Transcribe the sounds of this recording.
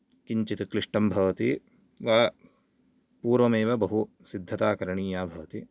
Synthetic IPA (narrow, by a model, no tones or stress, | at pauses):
kiɲt͡ʃit̪kɾiʂʈɐmbʱɐʋɐt̪i | ʋaː | puːɾʋɐmeːʋɐbɐɦu | sid̪ʱːɐt̪aːkɐɾɐɳiːjaːbʱɐʋɐt̪i